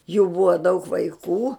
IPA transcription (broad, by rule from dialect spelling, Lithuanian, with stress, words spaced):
juː bʊɐ dɐʊk ʋɐɪˈkuː